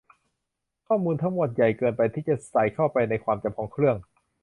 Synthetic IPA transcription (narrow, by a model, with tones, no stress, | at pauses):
kʰɔː˥˩muː˧nt̪ʰa˧˥ŋmu˨˩ət̪̚ja˨˩jkɤː˧npa˧jt̪ʰiː˥˩t͡ɕa˨˩sa˨˩˦jkʰa˥˩wpa˧jna˧jkʰwaː˧mt͡ɕa˧˩pkʰɔː˧ŋkʰɾɯ˥˩əŋ